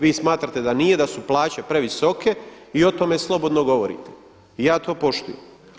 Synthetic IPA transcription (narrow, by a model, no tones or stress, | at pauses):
ʋiːsmaːt̪ɾat̪e̞d̪anije̞d̪asuplˠaːt͡ɕepɾe̞ʋiso̞ke̞ | io̞t̪o̞me̞slˠo̞bo̞d̪noɡo̞ʋoɾḭt̪e | ijaːt̪o̞ːpo̞ʃt̪ujem